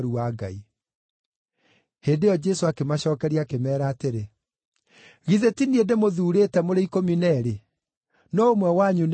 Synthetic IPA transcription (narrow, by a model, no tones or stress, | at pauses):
ɾuaɡai | heːndeɔd͡ʑɛsoakemaɕɔːkɛɾiakemɛːɾaːteɾe | ɣiðetiniedemoðuːɾeːtɛmoɾeikominɛɾe | nɔomwɛwaɲun